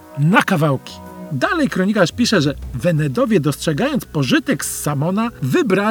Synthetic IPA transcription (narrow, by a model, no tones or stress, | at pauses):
nakavawkʲi̥d̪alɛjkɾɔɲikaʂpʲiʂɛʐɛvɛnɛd̪ɔvʲjɛd̪ɔstʂɛɡajɔnt̪spɔʐɘt̪ɛksːamɔnavɘbɾa